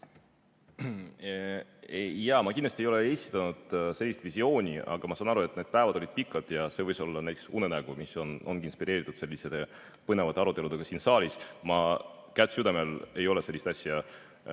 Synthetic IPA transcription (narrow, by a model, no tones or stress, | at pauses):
ejɑmɑkinlɑst̪ie̞jo̞le̞esʲi̥t̪ːˑɑnud̪̥se̞lʲːist̪visio̞ːnʲiʔɑ̰ɡ̥ɑmɑsɑːnɑɾue̞t̪ːˑned̪̥̚pæevɑd̪̥olid̪̚pikːˑɑd̪̥jɑse̞ːvɤjso̞lːɑnæjt̪e̥ksṵnenæɡ̥umisono̞nɡ̥inspiɾe̞ːɾit̪ːˑud̪̥se̞lʲːiset̪e | pɤne̞vɑt̪ːˑeɑɾut̪ːˑelud̪e̞ɡ̥ɑsiːnsɑːlʲismɑ | kæt̪ːˑsyd̪ɑme̞le̞jo̞le̞se̞lʲːist̪ɑsjɑ